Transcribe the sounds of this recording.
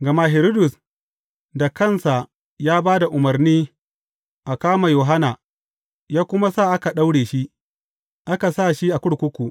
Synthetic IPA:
ɡɐ˨ma˦ɦɪ˨ɾi˦dʊ˨s | da˨kɐ˦˨nsa˨ | jaː˦baː˦da˨ʔʊ˨mɐ˨rniː˦ | ʔa˨kaː˦ma˨joː˨ɦa˦na˨ | jaː˦kʷʊ˦ma˦saː˦˨ʔa˦ka˨ɗa˦wɽeː˨ʃi˦ | ʔa˦ka˨sa˦˨ʃi˦ʔa˨kʷʊ˦ɽkʷʊ˦kʷu˨ʔ

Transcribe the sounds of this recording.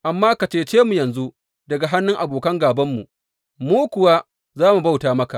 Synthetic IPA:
ʔa˨mːaː˦ka˨t͡ʃeː˦t͡ʃeː˦mu˨jɐ˨nzu˦ | dɐ˨ɡa˨ɦa˦nːʊ˦ŋʔa˨boː˨kɐ˦ŋɡaː˨bɐ˦mːṵ˨ | muː˦kʷʊ˨waː˦ | zaː˦mu˨ba˦wtaː˨˦mɐ˦ka˨ʔ

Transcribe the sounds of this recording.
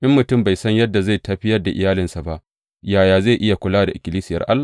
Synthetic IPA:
ʔɪ˦mːʊ˨tʊ˦˨mba˨jsɐ˦ɲjɐ˦dːa˨za˦˨jtɐ˦˨ɸɪ˦jɐ˦rda˨ʔɪ̰˨jaː˦lɪ˨nsa˨ba˦ʔ | jaː˨jaː˨za˦˨ʔɪ˦ja˨kʷʊ˨laː˦da˨ʔɪ˨kʲɪ˨liː˦sɪ˦jɐ̰˨ʔa˦lːa˨

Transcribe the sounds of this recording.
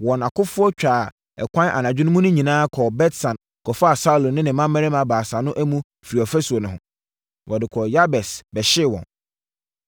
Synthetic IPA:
wɔ̃˨na˨kʰʊ˦fʊ˦ɔ˦t͡ɕᶣaː˨ | ɛ̰˨kʷʰã˦n˦ʔa̰˨nã˨d͡ʑᶣɪ˦nʊ̃˦mũ˦nʊ̃˦ɲĩ˨nãː˦kʰɔ˨bɛ˦tsã˨n | kʰɔ˨fa˦a˨sa˦u˨lõ˨nːɪ̃˦nɪ̃˨mã˦mːɛ̃˦ɾɪ˦mã˨baː˨sa˨nʊ̃˦ʔæ˦mũ˦ | fi˨ɾi˨ɔ˨fɛ˦su˨o˨nʊ̃˨ɦʊ̃˨ | wʔɔ˨dɪ˨kʰɔ˨ja˦bɛ˨sbɛ˨ɕɪ˦˨wɔ̰̃˨n

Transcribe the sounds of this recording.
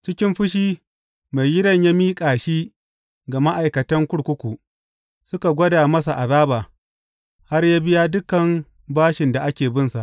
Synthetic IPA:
t͡ʃɪ˦kʲɪ˦mɸʊ˦ʃ̬iː˦ | me˨jjɪ˦ɽɐ˦˨ɲja˦miː˦kʼaː˨ʃiː˦ | ɡa˨ma˦ʔa˨jkɐ˨tɐ˦ŋkʷʊ˦ɽkʷʊ˦kʷu˨ | sʊ˦ka˨ɡʷɐ˦daː˨mɐ˦s̬a˨ʔa˨baː˦baː˨ | ha˦rjaː˦bɪ˦jaː˦dʊ˦kɐ˨m | baː˦ʃɪ˨nda˨ʔa˦kʲeː˨bɪ˦nsa˨ʔ

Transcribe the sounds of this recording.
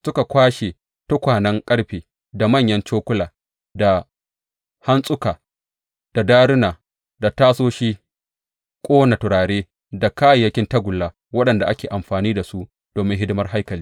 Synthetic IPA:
sʊ˦ka˨kʷaː˦ʃe˨ | tʊ˦kʷaː˨nɐ˦ŋkʼɐ˦ɽɸeː˨ | da˨mɐ˦˨ɲjɐ˦nt͡ʃoː˦kʷʊ˦laː˨ | da˨ | ha˦nsʼʊ˦kaː˨ | d̥a˨daː˦ɽɪ˦naː˨ | da˨taː˦soː˦ʃiː˦ | kʷʼoː˦na˨tʊ˨ɾaː˨ɽeː˦ | da˨kaː˦jjɐ˦kʲɪ˦ntɐ˦ɡʷʊ˨lːaː˦ | wɐ˦ɗɐ˨nda˨ʔa˦kʲeː˨ʔa˨mɸaː˨niː˦da˨su˦ʔ | d̥oː˨mɪ˦ŋɦɪ˦dɪ˦mɐ˦rɦa˦jkɐ˨liː˦

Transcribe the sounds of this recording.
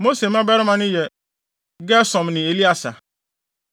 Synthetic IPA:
mo˦se˨m˦ã˦bɛ˦ɾɪ˦mã˨nʊ̃˦jɛ˨ | ɡɛ˦sɔ̃˨mnɪ̃˨e˨li˦a˨sa˨

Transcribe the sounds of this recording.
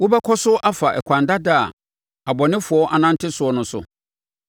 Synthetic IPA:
wʊ˦bɛ˦kʰɔ˦sʊ˦ʔa˦fa˨ʔɛ̰˨kʷʰã˨nda˦da˦˨ | a˨bɔ˨nɪ̃˦fʊ˨˦ɔ˦ʔa˨nã˦n̩˦tʰɪ˦sʊ˨˦ɔ˦nʊ̃˦sʊ̰˨

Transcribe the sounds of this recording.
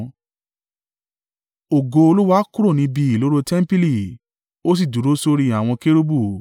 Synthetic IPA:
o˨ɡo˧o˧lu˦wa˦ku˦ɾo˦˨nĩ˧bi˧i˨lo˦ɾo˧tɛ˦m̩˦pi˦li˦˨ | o˦s̬i˦˨du˨˦ɾo˦so˧ɾi˧a˨w̃ɔ̃˧ke˦ɾu˦bu˦˨

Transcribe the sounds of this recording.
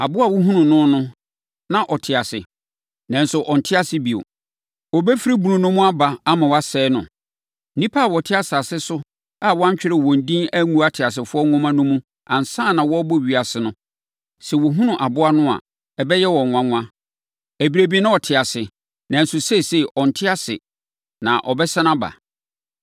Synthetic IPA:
a˨bʊ˦a˨wɔ˦ɦũ˦nʊ̃˨nʊ̃˦nʊ̃˦ | nã˦˨ʔɔ˨tʰɪ˨a˨sɪ̰˨ | nã˨n̩˦sʊ˨ʔɔ˨n̩˨tʰɪ˦a˦sɪ˦bi˨o̰˨ | ɔ˨bɛ˦fi˦ɾi˦bu˨ʊ̃˨nʊ̃˦mʊ̃˦a˦ba˨a˦mã˨wa˦sɛː˦nʊ̰̃˨˦ | nĩ˦pʰa˦a˨wɔ˨tʰɪ˦a˨sa˨sɪ˦sʊ˦ | a˦˨wɔ˦a˦t͡ɕᶣɪ˦ɾɪ˨wɔ̃˨n̩˨dĩ˦næ˦ŋũ˦a˦tʰɪ˨a˨s̬ɪ˨fʊ˦ɔ˦ŋɔ̃˦mã˦nʊ̃˦mũ˦ | ã˨n̩˨sãː˦˨nã˨wɔ˦bɔ˦˨ɥi˨a˨sɪ˨nʊ̃˦ | sɛ˨wɔ˨ɦũ˦nʊ̃˨ʔa˨bʊ˦a˦nʊ̃˦a̰˨ | ɛ˨bɛ˦jɛ˦wɔ˨ŋ̃ʷ˨ã˨ŋʷ˦ã˦ | æ˨bi˨ɾe˨bi˦nã˦ɔ˨tʰɪ˨a˨sɪ˨ | nã˨n̩˦sʊ˨se˦˨se˦ʔɔ˨n̩˨tʰɪ˦a˦sɪ̰˨ | nã̰˨ʔɔ̰˨bɛ˦sã˦nã˦ba̰˨

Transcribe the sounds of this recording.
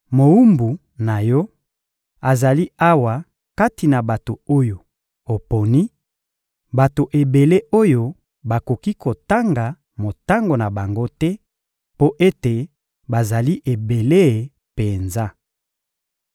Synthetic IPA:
mo˨u˦mbu˨ | na˨jɔ˦ | a˨za˨li˦a˦wa˨ | ka˦ti˨na˨ba˨to˨o˦jo˨ | o˨po˨ni˦ | ba˨to˨ʔe˨be˨le˦o˦jo˨ | ba˨ko˨ki˦kʰo˨ta˦ŋɡa˨ | mo˨ta˦ŋɡo˨na˨ba˨ŋɡo˦tɛ˦ | po˦ʔe˦te˨ | ba˨za˨li˦ʔe˨be˨le˦˨ | pe˨nza˦

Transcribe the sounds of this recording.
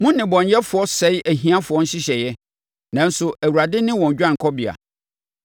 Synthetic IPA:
mʊ̃˦nː˦ɪ̃˨bɔ̃˨n˦jɛ˦fʊ˨˦ɔ˦sɛ˨˦ʔæ˨ɦĩ˦a˦fʊ˨ɔ˦n̩˦ɕɪ˦ɕɛ˨jɛ˦ | nã˨n̩˦sʊ˦ʔæ˨wu˨ɾa˨dɪ˦nɪ̃˦wɔ̃˨n˨d͡ʑᶣã˦ŋ̩˨kʰɔ˦bɪ˨a̰˨

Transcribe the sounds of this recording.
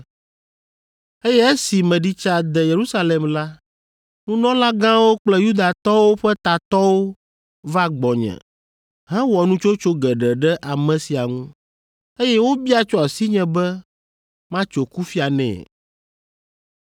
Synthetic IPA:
e˦jɛ˦e˦si˨mɛ̃˨ɖi˦t͡ʃa˦d̪ɛ˨je˨ɾu˦sa˦le˨mla˦ | nũ˦nɔ̃˦la˦ɡã˦wo˦k͡plɛ˦ju˦d̪a˨t̪ɔ˦wo˦ɸɛ˦t̪a˨t̪ɔ˦wo˦ | va˦ɡ͡bɔ˨ɲɛ̰̃˨ | ɦɛ̃˦wɔ˨nũ˦t͡ʃo˦t͡ʃo˦ɡɛ˨ɖɛ˨ɖɛ˦ʔa˨mɛ̃˨si˨a˨ŋũ˦ | e˦jɛ˦wo˦bi˦a˨t͡ʃɔ˦a˨si˦ɲɛ̃˨bɛ˦ | mã˦t͡ʃo˨ku˦fi˦a˨nɛ̰̃˨

